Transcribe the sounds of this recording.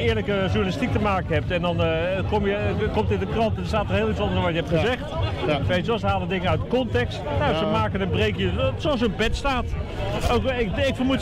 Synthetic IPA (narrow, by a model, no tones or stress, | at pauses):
ɪːɹləkəʒunalɪstik̚təmaːkənɦɛp̚tɛndɑnkomjəkomtɪndəkrɑntɛndstaːtərɦeːlˠitt͡sɔndəəʋɑtjəɦɛptχəzɛχtsejəssəɦaːlədɪŋəœɥtdəkɔntɛkstjasəmaːkənənbrejkjəsoɑlˠs̬ənpɛtstaːtowkɪkɪkfərmu